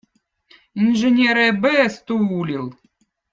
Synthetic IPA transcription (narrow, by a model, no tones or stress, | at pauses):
inʐɨnʲeɾɐbɛst̪uulʲilˠ